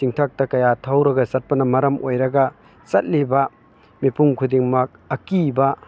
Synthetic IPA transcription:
siŋtʰak̚tɐkɐjatʰɐwɾɐɡɐsɐt̚pɐnɐmɐɾɐmʔojɾɐɡɐ | sɐt̚libɐ | mipuŋkʰudiŋmɐk̚ɐkibɐ

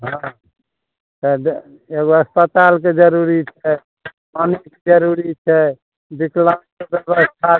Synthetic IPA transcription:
ɦã | t̪ə | eɡoəspət̪alk̬ed͡ʒəɾuɾit͡ʃʰɛ | manikd͡ʒəɾuɾit͡ʃʰɛ | b̪iklankebɛβəst̪ʰa

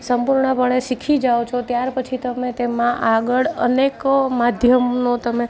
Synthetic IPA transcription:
səmpuɾɳəpəɳ̃eʃikʰid͡ʒaʋot͡ʃʰot̪jaɾpət͡ʃʰit̪əmet̪emãʔaɡəɭə̰nekmad̪ʱjəmnot̪əme

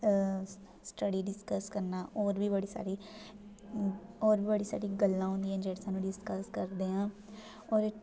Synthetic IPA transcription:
sʈəɽiɖɪskəskəɾnaʔɔːɾbʱibɐɽisa̰ːɾi | ɔːɾbʱibəɽisa̰ːɾiɡəlːãɦõːnd̪iɦɛ̃nd͡ʒɛːʈsãːnũɖɪskəskəɾd̪eːɦãː | ɔːɾ

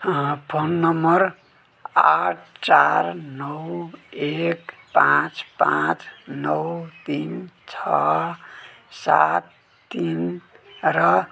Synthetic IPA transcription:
pʰonːʌmʌɾ | aʈʰt͡saɾnʌwek | pãt͡spãt͡snʌwt̪int͡sʰʌ | sa̰t̪ː | in | ɾʌ

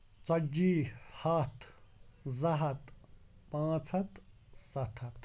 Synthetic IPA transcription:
t͡sɐd͡ʒiːhɐt̪ʰzɐɦɐt̪pãːt͡sʰɐt̪ | sɐt̪ʰɐt̪

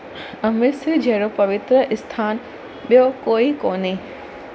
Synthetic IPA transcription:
ɐmɪɾsid͡ʑeːɽopɐʋɪt̪ɾəʔɪst̪ʰaːn | ɓijokoːikoːne

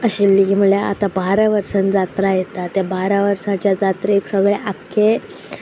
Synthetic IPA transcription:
əɕelːiim̤uɭjaa̰t̪abaɾaʋəɾsənd͡zat̪ɾajet̪at̪jabaɾaʋəɾsãt͡ɕjad͡zat̪ɾeeksəɡɭeʔakʰːe

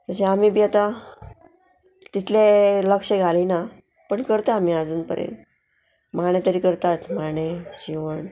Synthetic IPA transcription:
t̪əɕeamibiat̪a | t̪it̪ʰleləkʂəɡʱalina | pəɳkəɾt̪aːmiːad͡zuːnpə̰ɾḛ | maɽ̃et̪əɾiːkəɾt̪at̪maɽ̃ed͡ʑiʋəɳ

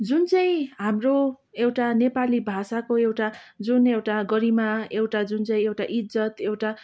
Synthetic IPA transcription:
d͡zunt͡saĩɦamro | ewʈanepalibʱasakoewʈad͡zunewʈaɡʌɾimaewʈad͡zunt͡saĩewʈaʔid͡zʌt̪ewʈa

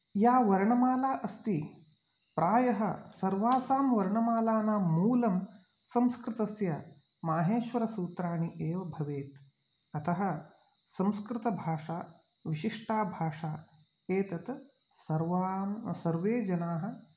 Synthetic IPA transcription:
jaːʋɐɾɳɐmaːlaːʔɐst̪i | pɾaːjɐɦɐsɐɾʋaːsaːmʋɐɾɳɐmaːlaːnaːuːlɐm | sɐ̃mskɾɪt̪ɐsjɐ | maːɦeːʃʋɐɾɐsuːt̪ɾaːɳiʔeːʋɐbʱɐʋeːt̪ | ɐt̪ɐɦɐ̆ | sɐ̃mskɾɪt̪ɐbʱaːʂaː | ʋiʃiʂʈaːbʱaːʂaː | eːt̪ɐt̪ | sɐɾʋamsɐɾʋeːd͡ʒɐnaːɦɐ̆

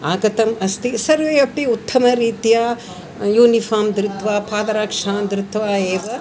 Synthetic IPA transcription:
aːɡɐt̪ɐmɐst̪isɐɾʋeːɐpiut̪ʰːɐmɐɾiːt̪jaː | juːnifaːmd̪ɾɪt̪ʰʋaːpʰaːd̪ɐɾaːkʂaːd̪ɾɪt̪ʰːʋaːeːʋɐ

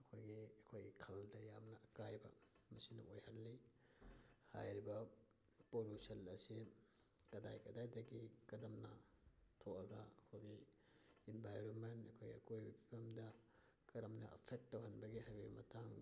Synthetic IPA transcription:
ɐkʰojɡiɐkʰojɡikʰɐldɐjamnɐʔɐkajbɐ̰ | mɐsinɐ̰ʔojhɐlːij | ha̰jɾibɐ | polusɐlɐsikɐda̰jkɐdajdɐɡikɐdɐmnɐtʰoɐɡɐɐkʰojɡi | inbajɾonmenɐkʰojɡiɐkojbbipʰɐmdɐ | kɐɾɐmnɐ̰ɐ̰pʰek̚tːɐwɦɐnbɐɡiɦajbimɐtʰaŋ

